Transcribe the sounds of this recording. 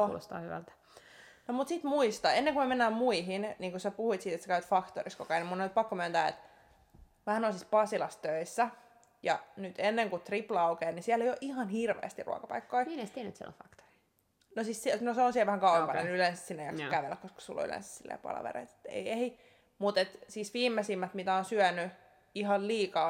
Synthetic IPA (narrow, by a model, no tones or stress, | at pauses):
lo̰st̪ɑ̰ːhyʋæ̰lt̪æ̥ | nomut̪sit̪muist̪ɑenːeŋkumemenːæːmmuiɦinniːŋkusepuhuit̪siːt̪et̪sekæyt̪fɑkt̪o̰riskokɑinimunːonyt̪̚pɑkːomyænt̪æːḛt̪ | ʋæhænoisispɑsilɑst̪øisːæ | jɑnyt̪enːeŋkut̪riplɑukeːnisiælːejoʔihɑnhirʋḛːst̪irṵɑ̰kɑpɑ̰ikːoiminest̪ienyt̪siḛlo̰fɑkt̪o̥ri̥ | nosissnoseonsiɛlʋæhæŋkɑwepɑnḛnylensɑ̥ssinːejɑkskæʋelːækoskɑ̥sṵlːo̰y̰lḛ̃nsɑ̥ssilːḛːpɑ̰lɑ̰ʋḛrḛit̪e̥t̪ːḛiei | mut̪et̪siːsʋiːmːesimːæt̪mit̪æonsyœny | ihɑlliːkɑː